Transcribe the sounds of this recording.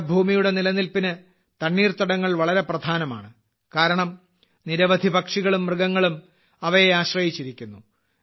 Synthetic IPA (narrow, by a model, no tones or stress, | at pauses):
bʱuːmijuɽe̞nilɐnilpinɨ | t̪ɐɳːiːrt̪ɐɽɐŋːɐɭʋɐɭɐɾe̞prɐd̪ʱaːnɐma̰ːɳɨ | kaːɾɐɳɐm | niɾɐʋɐd̪ʱibɐkʂiɣɐɭumːrɨɡɐŋːɐɭum | ɐʋɐjeaːɕrɐjit͡ɕːiɾikʲːunːu